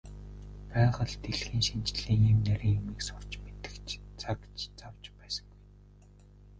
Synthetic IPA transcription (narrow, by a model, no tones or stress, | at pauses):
pæːʁə̆ɮt̪eɮxiːŋʃint͡ɕɮiːŋemnæɾʲiːŋjumiːksʊr̥t͡ɕmet̪ɘ̥̆kt͡ɕt͡sʰakt͡ɕt͡sawt͡ɕpæːsə̥̆ŋɡuj